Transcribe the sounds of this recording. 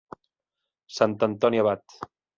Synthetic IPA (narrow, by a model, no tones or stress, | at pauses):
sant̪ənt̪ɔniaβat̪